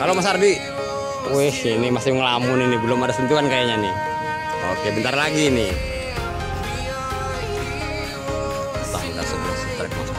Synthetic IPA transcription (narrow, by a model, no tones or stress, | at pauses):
kalomasardi | ɛhinimasɪŋəlamuninibilɔmadasunt̪uankajaɲani | okɛbənt̪arlaɡini | t̪a̰ŋkasəbiast̪ɾɛk̚ma̰s